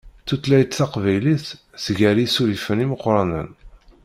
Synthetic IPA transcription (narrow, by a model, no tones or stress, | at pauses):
θut̪læjt̪θɑqvæjliθ | sʝæɾisuɾifəniməqːɾˤɑnə̰n